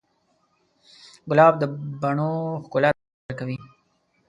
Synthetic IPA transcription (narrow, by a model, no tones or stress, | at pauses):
ɡʊlɑːbd̪əbaɳoxkʊla | ɾkawi